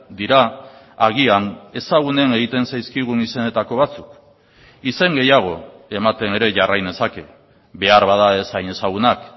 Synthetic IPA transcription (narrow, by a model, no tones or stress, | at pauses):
d̪iɾa | aɣ̞iane̞saɣ̞une̞ne̞ɣit̪e̞nsajskiɣ̞unise̞ne̞t̪ako̞β̞at͡suk | ise̞ŋɡe̞jaɣ̞o̞e̞mat̪e̞ne̞ɾe̞ʝarajne̞sake̞ | βe̞aɾβað̞ae̞sajne̞saɣunak